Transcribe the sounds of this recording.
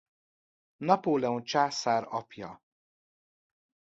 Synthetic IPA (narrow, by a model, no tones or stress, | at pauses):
nɒpoːlɛont͡ʃaːsaːɾɒpjɒ̰